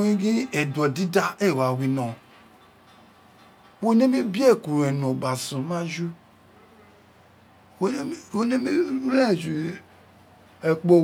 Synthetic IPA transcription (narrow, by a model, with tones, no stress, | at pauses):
ĩ˦ɡĩ˦e˨dɔ˨di˦da˦e˦˨wa˨wi˨nɔ̃˨ | wo˦ne˦mi˦bi˦e˦˨ku˨ɾe˨nõ˨ɡ͡ba˨sũ˨mã˦d͡ʒu˦ | o˦ne˦mi˦ɾe˦˨d͡ʒu˨ | e˨k͡po˦